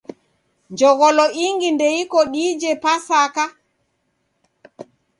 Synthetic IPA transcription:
ɲd͡ʒɔɡɔlɔʔiŋɡindejikɔɗiːd͡ʒɛpasaka

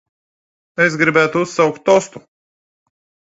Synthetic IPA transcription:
ɛsɡɾibʲæːt̪uusːawkt̪ːɔst̪u

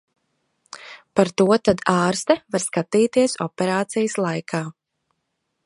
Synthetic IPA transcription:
paɾt̪uɔt̪ad̪aːɾst̪ɛvaɾskat̪iːt̪iɛsɔ̰pɛɾaːt̪sijəslˠajkʰaː

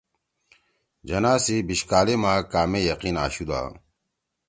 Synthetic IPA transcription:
d͡ʑɐnaːsibiɕkaːlemãːkaːmejɐqinaːɕud̪a̰ː

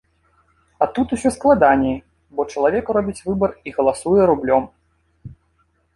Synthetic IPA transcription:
at̪ut̪usʲɔsklˠad̪anʲɛi | bɔt͡ʂɐlˠavʲɛkrɔbʲit͡sʲvɨbɐriɣɐlˠasujɛɾublʲɔm

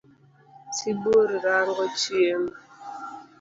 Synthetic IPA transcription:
siboɾiɾaŋɡɔt͡ʃjem

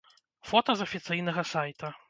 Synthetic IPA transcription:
fɔt̪ɐzɐfʲit̪sɨjnɐɣɐsajt̪ɐ

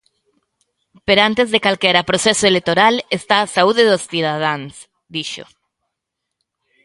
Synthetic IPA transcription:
peɾoãnt̪ezðekalkeɾapɾosesoelet̪oɾalest̪aːsauðeðosθiðaðaŋs | d̪iʃo̰

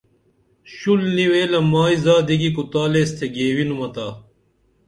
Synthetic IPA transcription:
ɕulniweːlɐmaːizaːd̪iɡikut̪aːleːst̪ʰeɡeːwinumɐt̪aː

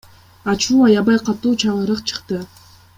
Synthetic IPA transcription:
ɑt͡ʃuːɑjɑβɑjqʰɑt̪uːt͡ʃʰɑʁɯɾɯqt͡ʃʰɯ̥qt̪ɯ

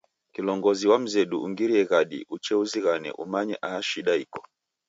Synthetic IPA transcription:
kilɔŋɡɔziwam̩zɛɗuuŋɡiɾiɛɣaɗḭʔut͡ʃɛuziɣanɛ̰ʔṵmaɲɛʔaːʃiɗaikɔ̥

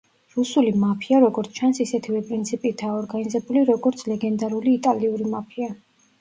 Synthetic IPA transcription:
ɾusulimapʰiaɾɔɡɔɾt̪sʰt͡ʃʰansisɛt̪ʰivɛpʼɾint̪sʰipʼit̪ʰaɔɾɡanizɛbuliɾɔɡɔɾt̪sʰlɛɡɛnd̪aɾuliːt̪ʼaliuɾimapʰia

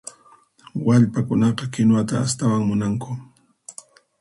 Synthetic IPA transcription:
waʎpakʊnɑqɑkɪnwat̪aːst̪awaŋmʊnaŋkʊ

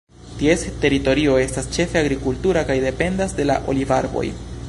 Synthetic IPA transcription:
tie̞ste̞ɾito̞ɾio̞e̞stast͡ʃe̞fe̞aɡɾikultuɾakajde̞pe̞ndasde̞la̰ʔo̞̰livaɾbo̞̰j

